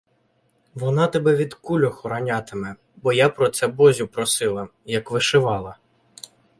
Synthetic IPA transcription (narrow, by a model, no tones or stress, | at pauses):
ʋɔnɑt̪ɛbɛʋʲid̪kulʲɔxɔɾɐnʲɑt̪ɪmɛ | bɔjapɾɔt̪sɛbɔzʲʊpɾɔsɪlˠɐjɐkʋɪʃɪʋɑlˠɐ